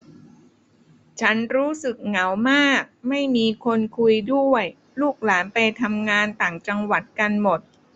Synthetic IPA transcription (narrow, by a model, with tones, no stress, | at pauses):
t͡ɕʰa˦˥nɾuː˦˥sɯ˨˩k̚ŋa˩˦wmaː˥˩k̚ma˥˩jmiː˧kʰo˧nkʰu˧jdu˥˩əj | luː˥˩k̚laː˩˦npa˧jt̪ʰa˧mŋaː˧nt̪aː˨˩ŋt͡ɕa˧ŋwa˨˩t̪̚ka˧nmo˨˩t̪̚